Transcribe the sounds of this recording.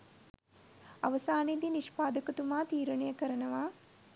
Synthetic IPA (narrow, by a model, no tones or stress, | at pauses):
ɐʋɐsaːned̪iniʃpaːd̪ɐkɐt̪umaːt̪iːɾɐɳɐjəkɐɾɐnɐʋaː